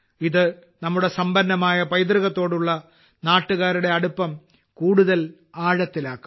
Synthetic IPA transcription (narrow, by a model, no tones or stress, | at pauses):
iðɨ | nɐmːuɽe̞sɐmbɐnːɐmaːjɐpɐjd̪riɣɐt̪ːo̞ːɽuɭːɐ | naːʈːuɣaːɾuɽe̞ɐɽupːɐm | kuːɽuðɐl | aːɻɐt̪ːilaːkːu̥m